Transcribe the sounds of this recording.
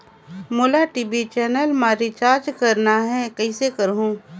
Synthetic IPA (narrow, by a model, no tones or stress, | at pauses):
moːlaʈiːbit͡ʃɛːnəlmaːɾit͡ʃaːɾd͡ʒkɐɾnaɦɛkəisekəɾɦũː